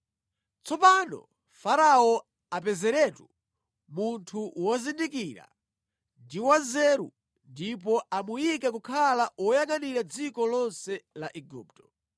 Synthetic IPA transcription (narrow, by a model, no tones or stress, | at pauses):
t͡sɔpanɔ̰ | faɾaɔ | apɛzɛɾɛtu | muntʰuwɔzindikiɾa̰ | ndiwazɛɾṵ | ndip̬ɔʔamujikɛkukʰalawɔjaŋaniɾad͡zikɔlɔnsɛlaʔɛɡuːptɔ̥